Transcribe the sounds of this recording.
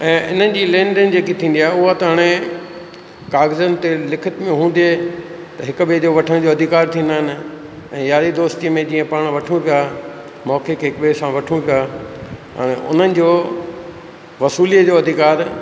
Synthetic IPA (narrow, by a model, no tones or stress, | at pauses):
ɛ̃ːʔɪ̰nənɪ̆d͡ʑiːlɛ̃ːɳɖɪnd͡ʑeːkit̪ʰĩːnd̪iaːɦʊɦat̪ɐɦaːɽ̃e | kaːɣzənɪ̆t̪elɪkʰɪt̪mẽɦũːn̆d̪e | t̪ɐɦɪkɓed͡ʑoʋɐʈʰəɽ̃d͡ʑoɐd̪ʱɪkaːɾt̪ʰĩːnd̪aːɪnɪ̆ | ɛ̃ːjaːɾid̪oːst̪iəmẽd͡ʑiːə̃paːɽ̃ʋɐʈʰũpjaː | mɔːkekʰeɦɪkɓesãʋɐʈʰũpjaːɦa̰ːɽ̃eʔʊ̰n̤ənɪ̆d͡ʑoː | ʋɐsuːliəd͡ʑoːɐd̪ʱɪkaːɾ